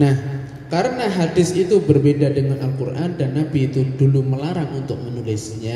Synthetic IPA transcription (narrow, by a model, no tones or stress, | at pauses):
nah | kaɾənaɦadɪsit̪ubərbedadəŋanʔalkurʔandanːabiːt̪uduluməlaɾaŋunt̪ʊk̚mənulɪsɲa